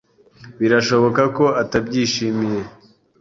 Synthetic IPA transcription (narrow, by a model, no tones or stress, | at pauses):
βiɾaʃo̞βo̞kako̞atab̚ɟiːʃimije̞